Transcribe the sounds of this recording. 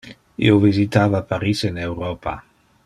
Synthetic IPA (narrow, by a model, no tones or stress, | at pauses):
ḭovizit̪aːvapaɾisenewɾopa̰